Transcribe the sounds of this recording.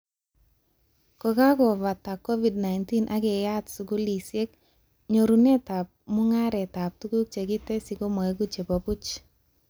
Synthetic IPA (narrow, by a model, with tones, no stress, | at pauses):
kɔ˨ka˦kɔ˨va˨ta˨kːɔ˦vi˨d̚na˨ɪnti˦nʔa˦kɛ˨ja˦tsu˨ɡu˦li˨sje˦k | ɲo˨ɾu˨ne˦ta˨p̚mʊ˦ŋa˦ɾɛ˨ta˨p̚tu˦ɡu˦k̚t͡ʃe˨ɡɪ˦tɛ˦si˨ko˦mɔ˨e˦ɡu˦t͡ʃe˨bɔ˨pu˦t͡ʃ